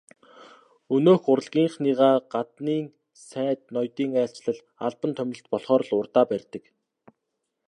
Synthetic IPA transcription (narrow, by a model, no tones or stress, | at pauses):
ɵnoːxʊɾə̆ɮɣʲiːɴχniːʁaːɢat̪niːŋ | sæːt̪̚nɔjt̪iːŋæːɬt͡ɕɮə̆ɮ | aɮpə̆nt̪ʰœmʲnɪ̆ɬt̪̚pɔɮχɔːɾɞ̆ɮʊrt̪aːpærʲt̪ɘ̆k